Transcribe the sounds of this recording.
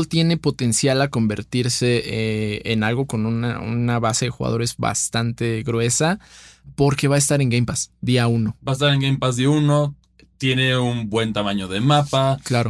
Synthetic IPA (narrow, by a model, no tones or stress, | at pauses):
lt̪je̞ne̞po̞t̪e̞nsjalako̞mbe̞̰ɾt̪iɾse̞ | enalɣo̞ko̞nuna̰ṵnaβase̞ðe̞xṵɣa̰ðo̞ɾe̞zβa̰st̪ant̪e̞ɣɾwe̞sapo̞ɾke̞βaest̪aɾe̞ŋɡejmpasd̪iauno̞baest̪aɾeŋɡejmpazðiauno | t̪je̞neunbwe̞nt̪amaɲo̞ðemapaklaɾo